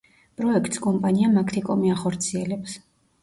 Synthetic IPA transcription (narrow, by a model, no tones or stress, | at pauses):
pʼɾɔɛkʰt̪ʼskʼɔmpʼaniamakʰt̪ʰikʼɔmiaχɔɾt̪sʰiɛlɛps